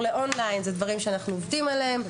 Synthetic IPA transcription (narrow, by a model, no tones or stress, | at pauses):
leʔo̞nlajinzed̪vaʁimʃeanaχnuovdimaleem